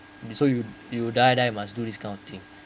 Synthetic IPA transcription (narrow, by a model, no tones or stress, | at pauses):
soju | judaɪdajumasdudiskãɪ̃nɔvtʰĩŋ